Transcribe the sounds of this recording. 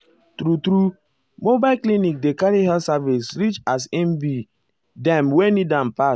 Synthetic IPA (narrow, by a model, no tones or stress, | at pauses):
tɾutɾu | mobaɪlklinik̚dekaɾiɦɛlsavisɹit͡ʃas̬ɛ̃mbi | dɛ̃mwenidãnpa